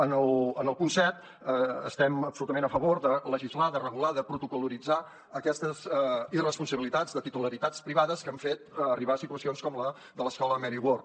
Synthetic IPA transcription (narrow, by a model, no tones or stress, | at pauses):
ənəlˠənəlˠpunsɛt̪ | əə̰st̪ɛməpsulut̪əmenəfəβoɾðələʒizlaðərəɣulaðəpɾut̪ukuluɾid͡za | əkɛst̪əzɛirəspunsəβilit̪ad͡zðət̪it̪uləɾit̪at͡spɾiβaðəskəɱfet̪ːriβasit̪uəsionskɔmlə | ðələskɔləmɛɾiɣwor